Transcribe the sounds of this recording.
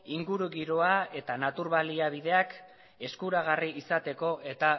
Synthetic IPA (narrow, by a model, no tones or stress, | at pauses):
iŋɡuɾuɣiɾo̞ae̞t̪anat̪uɾβaliaβ̞iðe̞ak | e̞skuɾaɣ̞ariisat̪e̞ko̞ʔe̞t̪a